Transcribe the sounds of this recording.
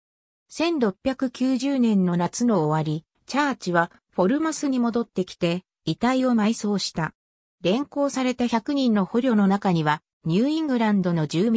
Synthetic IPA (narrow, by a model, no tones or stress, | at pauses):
sẽ̞nɾo̞pʲːjakɯ̟kʲɨːʑɨːnẽ̞nːo̞nat͡sɨno̞ːβaɾʲi | t͡ɕaːt͡ɕiβa | ɸo̞ɾɯ̟masɨɲ̟imo̞d̪o̞t̪ːe̞kʲi̥t̪e̞ | it̪aio̞maiso̞ːɕi̥t̪a | ɾẽ̞ŋko̞ːsaɾe̞t̪açakɯ̟ɲ̟ĩnːo̞ho̞ɾʲo̞ːno̞nakaɲ̟iβa | ɲ̟ɨːĩŋɡɯ̟ɾãnd̪o̞no̞d͡ʑɨːmʲ